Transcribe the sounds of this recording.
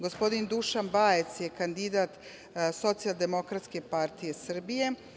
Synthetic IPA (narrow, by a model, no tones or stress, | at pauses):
ɡo̞spo̞d̪ind̪uʃanbaːje̞t̪sjekand̪id̪aːt̪ | so̞t̪sialˠd̪e̞mo̞kɾat̪ske̞paɾt̪ije̞sr̩bije̞